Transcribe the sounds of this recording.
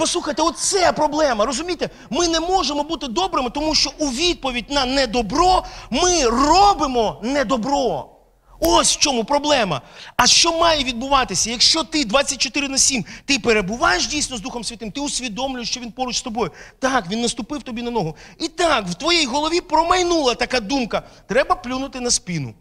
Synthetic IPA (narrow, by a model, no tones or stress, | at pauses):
pɔsˠuxɐjt̪eɔt̪̚t̪sɛpɾɔblˠɛmɐɾɔzʊmʲijt̪ɛ | mɪnɛmɔʒemɔbut̪ɪd̪ɔbɾɪmɪt̪ɔmuʃt͡ʃɔʔuʋʲid̪̚pɔʋʲid̚ʲnɐnɛd̪ɔbɾɔmɪrɔbɪmɔnɛd̪ɔbɾɔ | ɔsʲw̥t͡ʃɔmupɾɔblˠɛmɐ̰ɐʃt͡ʃɔmɑjɛʋʲid̪̚bʊʋɑt̪ɪsʲɐjɐkʃt͡ʃɔt̪ɪd̪ʋat͡sʲːɐt̚ʲt͡ʃːɔt̪ɪɾɪnɐsʲimt̪ɪpeɾebʊʋɑjeʃ̬dʲijsʲnɔzd̪uxɔmsʲɐt̪ɪmt̪ɪʊsʲʋʲid̪ɔmlʲʊjɪʃt͡ʃɔʋʲinpɔɾʊt͡ʃst̪ɔbɔjʊt̪ɑkʋʲinːɐst̪ʊpɪwt̪ɔbʲinɐnɔɦʊit̪ɑkwt̪ʋɔjɛjɦɔlˠɔʋʲipɾɔmɐjnulˠɐt̪ɐkad̪umkɐt̪ɾɛbɐplʲunʊt̪ɪnɐspʲinʊ̰